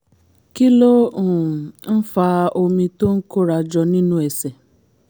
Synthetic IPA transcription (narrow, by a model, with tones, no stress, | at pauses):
ki˦lo˦ũ˨n̩˦fa˧˦o˧mĩ˧to˦ŋ̩˦ko˦ɾa˧d͡ʒɔ˧nĩ˦nũ˦ɛ˨sɛ˨